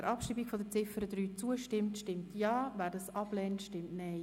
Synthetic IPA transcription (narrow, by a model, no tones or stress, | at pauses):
əɾʔɑpʃiːbikfodət͡sɪfəɾəd̪ɾyːt͡suəʃtɪmtʃtɪmtjɑːvæːɾdɑsɑblɛːntʃtɪmtnɛɪ